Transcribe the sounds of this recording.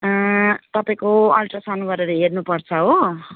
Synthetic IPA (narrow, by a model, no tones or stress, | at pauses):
t̪ʌpaĩkoʌlʈʌsanubʌɾeɾʌɦernupʌrt͡sʰʌɦo